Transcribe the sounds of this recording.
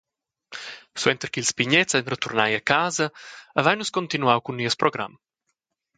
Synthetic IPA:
swɛnt̪ərkilspiɲɛt͡sanrət̪urnajakaːzɐːvajnuskɔnt̪inuawkunːiəspɾɔɡɾa̰m

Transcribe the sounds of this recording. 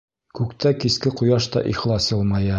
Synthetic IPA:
kʉkt̪ʰækiskɘqŭjɑʃt̪ɒ̰ʔiχlˠɑsjɤlˠmɑjɤ

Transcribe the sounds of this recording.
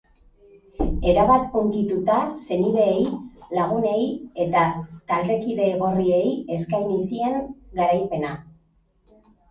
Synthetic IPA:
e̞ɾaβat̪uŋkit̪ut̪ase̞niðe̞ːjlaɣ̞une̞je̞t̪at̪ald̪e̞kiðe̞ːɣo̞rie̞je̞skajnisie̞ŋɡaɾajpe̞na

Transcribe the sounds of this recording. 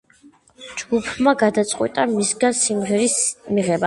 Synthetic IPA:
d͡ʒɡupʰmaɡad̪at̪sʼqʼwḭt̪ʼamisɡasimʁɛɾismiʁɛba

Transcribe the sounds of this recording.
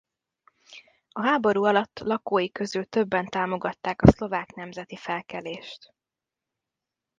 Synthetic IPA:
ɒɦaːbo̞ɾuːɒlɒt̪ːlɒkoːjikø̞zylt̪ø̞bːɛnt̪aːmo̞ɡɒt̪ːaːkɒslo̞vaːknɛmzɛt̪ifɛlkɛleːʃt̪

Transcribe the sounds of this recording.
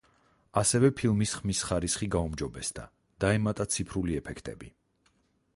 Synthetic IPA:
asɛvɛpʰilˠmisχmisχaɾisχiɡaumd͡ʒɔbɛsd̪a̰ | d̪̥aɛmat̪ʼat̪sʰipʰɾuliɛpʰɛkʰt̪ʼɛ̰bi

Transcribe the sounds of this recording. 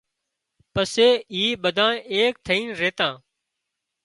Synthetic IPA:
pəseːiːɓəd̪ʱãːeːk̚t̪ʰəĩːnɾeːt̪ãː

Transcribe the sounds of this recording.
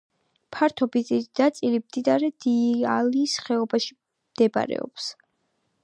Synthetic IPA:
pʰaɾt̪ʰɔbizʼid̪̥at̪sʼilimd̪̥id̪aɾɛd̪̥ialiːsχɛɔbaʃi | md̪̥ɛba̰ɾɛ̰ɔ̰ps

